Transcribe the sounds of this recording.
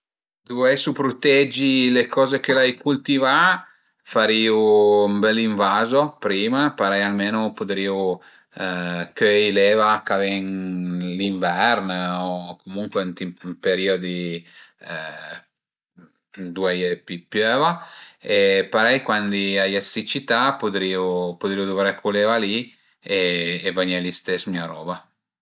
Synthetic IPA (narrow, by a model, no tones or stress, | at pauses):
d̪uɛsupɾot̪ɛd͡ʒilekʰɔːzek̟elajkult̪iva | faɾiːumbɛlːiɱvaːzopɾiːmapaɾɛjalmeːnopot̪ɾiːu | køjlɛːvakavɛnliɱvɛrnokomuŋkwent̪immpeɾiod̪i | d̪uajepipjøːvaepaɾɛjkwand̪iajasit͡ʃit̪apod̪ɾiːupod̪ɾiud̪uvɾɛkʰulevali | eːbaɲɛlist̪esmiaɾɔːba